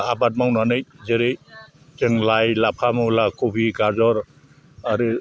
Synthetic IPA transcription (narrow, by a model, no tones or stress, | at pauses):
abat̚mawnanɯjzeɾej | teŋlajlapʰamawlakobʱiɡazɔɾ | aɾi